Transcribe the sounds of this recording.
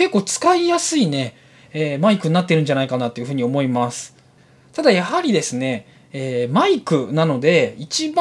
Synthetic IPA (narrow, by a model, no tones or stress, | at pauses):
ke̞kːo̞ːt͡sɨ̥kaijasɨine̞ | emaikɯ̟ɲ̟ːat̪ːe̞ɾɯ̟̃ɲ̟d͡ʑanaikanat̪ːo̞jiɯ̟ɯ̟ːɲ̟io̞mo̞imasɨ̥ | t̪ad̪ajahaɾʲid̪e̞sɨne̞ | eːmaikɯ̟nano̞d̪e̞it͡ɕib